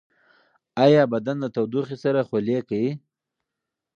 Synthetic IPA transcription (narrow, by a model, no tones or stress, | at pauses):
ajɑbad̪anlat̪awd̪uxisaɾaxolekai